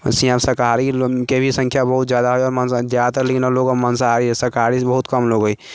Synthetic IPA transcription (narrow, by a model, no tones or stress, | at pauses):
sĩãbsəɾkaɾikebʱisə̃ŋkʰjabəɦut̪zjaːd̪aɦojɔːɾmənsd̪jat̪əlekinɔɾloɡomənsaɾisəɾkaɾisbəɦut̪kəmloːɡɦoj